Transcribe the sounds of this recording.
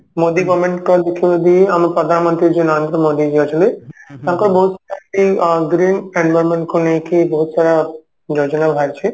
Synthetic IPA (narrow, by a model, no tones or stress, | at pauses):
mod̪ibɔmẽɳʈkɔɾd̪ekʰibod̪iamɾpɾɔd̪ʱanmɔnt̪ɾid͡ʒinaɾnd̪ɾəmoːd̪id͡ʒod͡ʒɔd̪et̪ãkɔɾbɔɦut̪t͡ʃʰaɾakiɡɾiːnɛ̃ɳɖbɐɾmeɳʈkʰonekibɔɦut̪t͡ʃʰaɾa | d͡ʒod͡ʒɔnabʱaɾt͡ʃʰe